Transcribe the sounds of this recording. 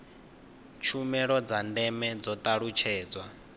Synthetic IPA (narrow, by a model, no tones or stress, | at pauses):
t͡ʃʰumɛɺɔd͡zandɛmɛd͡zɔt̪ʼaɺut͡ʃʰɛːd͡zwa